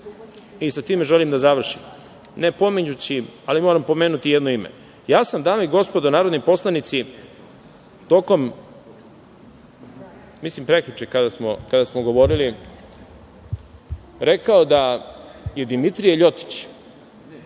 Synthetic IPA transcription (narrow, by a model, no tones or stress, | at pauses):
isat̪iːmeʒelimd̪azaʋr̩ʃim | ne̞po̞miɲut͡ɕialimo̞ːɾampo̞me̞ːnut̪ijed̪noimḛ | jaːsamd̪aːmaiɡo̞spod̪onaːɾod̪nojpo̞slˠanit̪si | t̪o̞ːko̞m | mislimpɾe̞kʎʲut͡ʃekad̪asmokad̪asmoɡo̞ʋo̞ɾili | ɾe̞kaod̪a | je̞d̪imit̪ɾijeʎo̞t̪i̥t͡ɕ